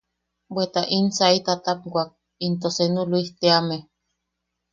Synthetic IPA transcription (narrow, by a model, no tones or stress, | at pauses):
bet̪aʔinsait̪at̪ap̚ɡʷak̚ | int̪osenuluiht̪eame